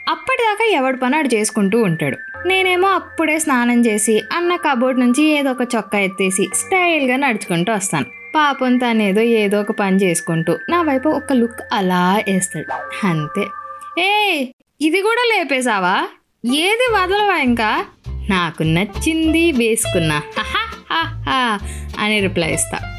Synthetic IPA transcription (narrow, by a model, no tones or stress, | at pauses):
ɐpːɐʈid̪aːkaːɛʋɐɽupɐnaːɽut͡ʃe̞ːsu̥kuɳʈuːuɳʈa̰ːɽu | ne̞ːne̞ːmo̞ːɐpːuɽe̞ːsnaːnɐmt͡ʃe̞ːsiɐnːɐkɐboːʈ̬nuɲt͡ʃieːd̪ɔːkɐt͡ʃɔkːɐet̪ːe̞ːsisʈɐjlɡaːnɐɽut͡ʃu̥kuɳʈuːʋɐst̪a̰ːnu | paːpɐnt̪aːne̞ːd̪o̞ːeːd̪ɔːɔkɐpɐnit͡ʃe̞ːsu̥kuɳʈuːnaːʋɐjpuɔkɐlukːɐlaːeːst̪aːɽiɐnt̪eːeː | id̪ikuːɽaːleːpeːs̬aːʋaː | eːd̪iʋaːd̪ɐlɐʋaːiŋkaːnaːkunɐt͡ʃːind̪iʋeːsu̥kunːaːhahahaɐ̰niɾiplɐ̰jḭst̪a̰ː